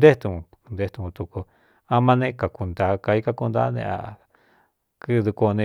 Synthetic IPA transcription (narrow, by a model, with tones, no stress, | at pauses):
d̪e˦t̪u˧ũ˧nd̪e˧t̪u˧kũ˧t̪u˧ku˧ | a˧mã˧nẽ˦ka˨ku˧nd̪a˧ka˧i˦ka˦˧ku˧nd̪a̰˦nḛ̃˧a̰˨ | kɨ˦˧d̪u˧ko˧nẽ˧